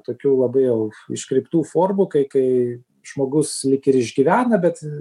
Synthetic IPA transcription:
t̪oːkʲuːlˠɐbɐɪjɛʊɪ̰ʃkɾʲɛɪpt̪uːfoːrmukɐɪkɐɪ | ʒ̥moːɡʊslʲɪkɪɾɪʒʲɡʲiʋʲæːnɐbʲɛt̪

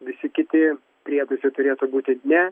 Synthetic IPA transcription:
ʋʲɪsʲɪkʲɪt̪ʲɪ | pʲɾʲiɛd̪ʊsʲɪt̪ʊɾʲeːt̪ʊbuːt̪ʲɪnʲɛ

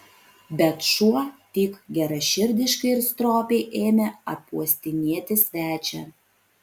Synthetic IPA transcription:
bʲɛt̪ʃuɔt̪ʲiːkɡʲɛɾɐʃʲɪɾʲd̪ʲɪʃkɐɪɪɾst̪ɾoːpʲɛɪʔeːmʲeɐ̰puɔsʲt̪ʲɪnʲiɛt̪ʲɪsʲʋʲæːt͡ʃʲɛ̰

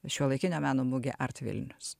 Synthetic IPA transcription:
ʃʲuɔlˠɐɪkʲɪnʲɛmʲæːnoːmʊɡʲeʔɐɾt̪ʲʋʲɪ̰lʲnʲʊs

